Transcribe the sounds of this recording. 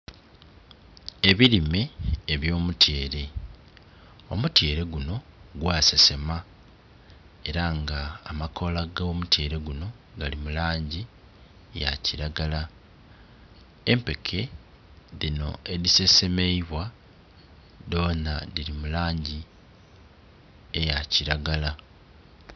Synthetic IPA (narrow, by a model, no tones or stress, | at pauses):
e̞βiɾime̞ːβjo̞ːmutʰje̞ːɾe̞ | omute̞ːɾe̞ɡuno̞ɡwaːsese̞ma | e̞ɾaŋɡaːmakʰo̞laɡomute̞ːɾe̞ɡuno̞ | ɡalimulaːɲɟi | ja̰ciɾaɡala | empe̞kʰe̞ | ðino̞̰e̞ðise̞se̞me̞iβwa | ðo̞ːnaðiɾimulaːɲɟi | e̞jaciɾaɡala